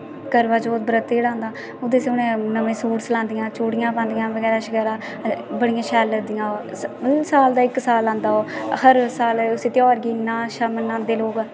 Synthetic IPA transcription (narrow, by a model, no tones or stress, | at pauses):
kəɾʋaːd͡ʒoːt̪̚bəɾət̪ːeːɽãːnd̪aː | ʊd̪eːsʊnẽːnəʋẽːsuːʈsəlãːnd̪ɪjãːt͡ʃuːɽɪjãːpãːnd̪ɪjãːʋəɡɛːɾaːʃəɡɛːɾaː | bəɽɪjãːʃɛːlːəd̪ɪjãː | saːld̪aːɪksaːlãːnd̪aːoːhəɾsaːlʊseːt̪ɪjɔːɾɡiːnãːʃamənãːnd̪eːloːɡ